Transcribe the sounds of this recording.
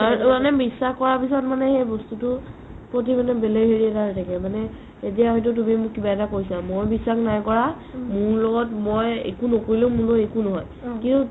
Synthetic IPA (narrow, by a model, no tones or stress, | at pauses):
amanɛbisaxkɔɹapisɔtmanɛxejbɔstutʊ | pɹotimanɛbeleɡɦeɹiɛtaɹtʰakɛmanɛ | et̬ijaɦɔjt̬ʊt̬umimʊkibaɛtakoɹis̬ilamojbisːaxnajkɔɹa | mʊɹlɔɡɔtmojḛkunokoɹilɛʊmuɹloekunɔɦɔj | kintu